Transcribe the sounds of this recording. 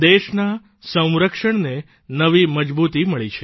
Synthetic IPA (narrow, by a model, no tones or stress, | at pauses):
d̪eʃna | sə̃w̃ɾəkʃəɳne | nəʋiməd͡ʒbut̪iməɭit͡ʃʰe